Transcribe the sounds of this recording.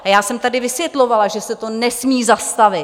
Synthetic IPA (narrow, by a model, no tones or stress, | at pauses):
ajaːsɛmt̪adɪvɪsvjɛt̪lo̞valaʒɛsɛt̪o̞nɛsmiːzast̪avɪ